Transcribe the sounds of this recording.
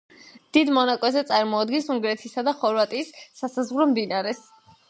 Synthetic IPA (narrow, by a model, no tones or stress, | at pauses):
d̪̥id̪mɔnakʼwɛzɛt̪sʼaɾmɔad̪ɡɛnsuŋɡɾɛt̪ʰisad̪aχɔɾvat̪ʼiːsːasazʁɾɔmd̪inaɾɛs